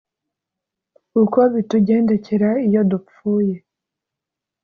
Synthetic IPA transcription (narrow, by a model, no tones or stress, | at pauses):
uko̞βituɟe̞ːnde̞ce̞ɾaijo̞du | uːje̞